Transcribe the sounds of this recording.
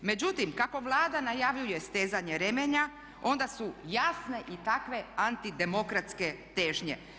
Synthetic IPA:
me̞d͡ʑut̪imkako̞ʋlˠaːd̪anajaːʋʎujest̪eːzaɲe̞ɾe̞meɲa | o̞nd̪asujasne̞ʔit̪akʋe̞ant̪id̪e̞mo̞kɾat̪ske̞t̪eːʒɲḛ

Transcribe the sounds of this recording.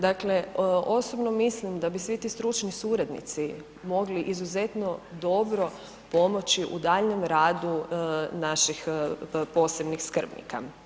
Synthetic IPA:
d̪akle̞o̞sobno̞mislimd̪abisʋit̪iːst̪ɾut͡ʃnisuɾad̪nḭt̪si | mo̞ɡliʔizuze̞t̪no̞d̪o̞bɾo̞ | po̞mo̞t͡ɕiʔud̪aʎne̞mɾaːd̪unaʃixpo̞ːse̞bnixskr̩bnḭka

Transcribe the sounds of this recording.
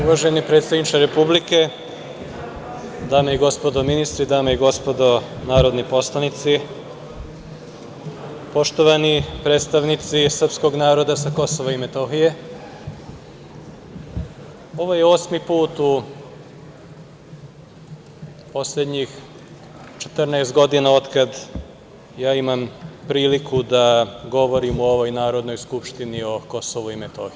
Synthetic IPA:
uʋaʒe̞nipɾe̞t̪st̪ad̪nit͡ʃaɾe̞publike̞ | d̪aːmeiɡo̞spo̞d̪o̞minist̪ɾid̪aːmeiɡo̞spo̞d̪o̞naːɾo̞d̪nipo̞slˠanit̪si | po̞ʃt̪o̞ʋanipɾe̞t̪st̪aʋnit̪sisr̩psko̞ɡnaːɾo̞d̪asako̞so̞ʋaime̞t̪o̞xije̞ | o̞ʋojeo̞ːsmipuːt̪u | po̞sʎʲed̪ɲix | t͡ʃe̥t̪rnaest̪ɡo̞d̪inaot̪kad̪ | jaːimampɾiːlikud̪aɡo̞ʋo̞ɾimuo̞ʋo̞jnaːɾo̞d̪no̞jskupʃt̪inio̞ko̞soʋuimet̪o̞xi

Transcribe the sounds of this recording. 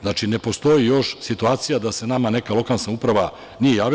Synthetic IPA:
znaːt͡ʃine̞po̞st̪o̞jijo̞ʃsit̪uaːt̪sijad̪ase̞namane̞kalo̞kalsnaupɾaʋa | nije̞jaːʋi

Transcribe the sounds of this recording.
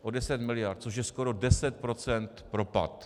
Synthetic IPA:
ʔo̞dɛsɛt̪mɪlɪjaɾt̪̚t͡soʃ̬jɛskoɾo̞dɛsɛt̪̚pɾo̞t͡sɛnt̪pɾo̞pa̰t̪

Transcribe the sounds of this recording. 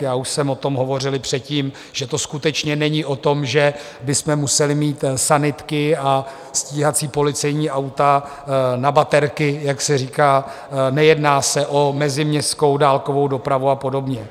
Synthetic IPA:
jaːuʃsɛmo̞t̪o̞mɦo̞vo̞r̝ɪlɪpr̝̥ɛt̪̚ciːm | ʒ̥ɛt̪o̞skut̪ɛt͡ʃɲɛnɛɲɪʔo̞t̪o̞mʒɛ | bɪsmɛmusɛlɪmiːt̪sanɪt̪kɪa | sciːɦat͡siːpo̞lɪt͡sɛjɲiːʔawt̪a | nabat̪ɛɾkɪjaksɛriːkaː | nɛjɛdnaːsɛʔomɛzɪmɲɛst̪ko̞wdaːlko̞vo̞wdo̞pɾavuapo̞do̞bɲɛ

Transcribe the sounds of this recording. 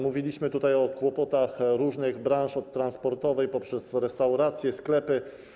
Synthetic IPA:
muvʲilʲiɕmɘt̪ut̪ajɔkwɔpɔt̪axɾuʐnɘɣbɾãw̃ʂɔt̪ːɾanspɔɾt̪ɔvɛjpɔpʂɛsɾɛst̪awɾat̪sʲjɛsklɛpɘ

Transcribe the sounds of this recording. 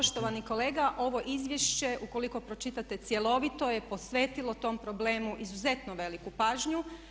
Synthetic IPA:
oʃt̪oʋaniko̞le̞ːɡaʔo̞ʋo̞ʔizʋjeʃt͡ɕe̞ʔuko̞liko̞pɾo̞t͡ʃit̪at̪e̞t̪sje̞lo̞ʋit̪o̞jepo̞sʋeːt̪ilˠo̞t̪o̞ːmpɾo̞ble̞ːmuʔizuze̞t̪noʋe̞likupaːʒɲu

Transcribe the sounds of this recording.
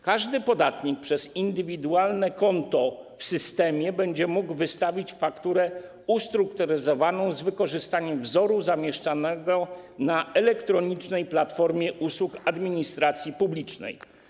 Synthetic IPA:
kaʐd̪ɘpɔd̪at̪ɲik̚pʂɛzind̪ɘvʲid̪ualnɛkɔnt̪ɔ | fsɘst̪ɛmʲjɛbɛɲd͡ʑɛmuɡvɘst̪avʲit͡ɕfakt̪uɾɛ | ust̪ɾukt̪uɾɘzɔvanɔ̃w̃zvɘkɔʐɘst̪aɲɛmvzɔɾuzamʲjɛʂt͡ʂanɛɡɔnaɛlɛkt̪ɾɔɲit͡ʂnɛjplat̪fɔɾmʲjɛʔuswukad̪mʲiɲist̪ɾat̪sʲjipublʲit͡ʂnɛ̰j

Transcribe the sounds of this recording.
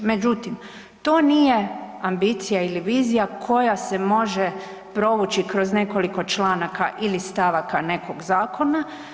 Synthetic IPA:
me̞d͡ʒut̪im | t̪o̞ːnije̞ambit̪sijailiʋiːzijakʰo̞jase̞mo̞ʒe | pɾo̞ʋut͡ʃikɾo̞zne̞ko̞liko̞t͡ʃlˠaːnakaʔilist̪aʋakane̞ko̞ɡzaːkʰo̞na

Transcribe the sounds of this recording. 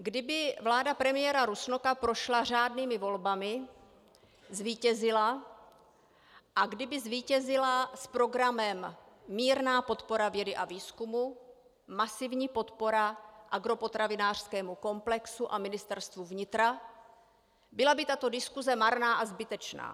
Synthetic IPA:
ɡdɪbɪvlaːdapɾɛmɪjɛɾaɾusnokapɾo̞ʃlar̝aːdniːmɪvo̞lbamɪ | zviːcɛzɪla | ʔaɡdɪbɪzviːcɛzɪlaspɾo̞ɡɾamɛmːiːɾnaːpo̞t̪po̞ɾavjɛdɪʔaviːskumuː | asɪvɲiːpo̞t̪po̞ɾaʔaɡɾo̞po̞t̪ɾavɪnaːr̝̥skɛːmuko̞mplɛksuʔamɪnɪst̪ɛɾst̪vuvɲɪt̪ɾa | bɪlabɪt̪at̪o̞dɪskuzɛmaɾnaːʔazbɪt̪ɛt͡ʃna̰ː

